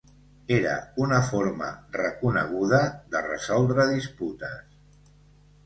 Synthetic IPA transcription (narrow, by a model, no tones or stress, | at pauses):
eɾə̰unəfoɾmə̰rəkunə̰ɣ̞uðəðərə̰zɔlˠd̪ɾəðisput̪əs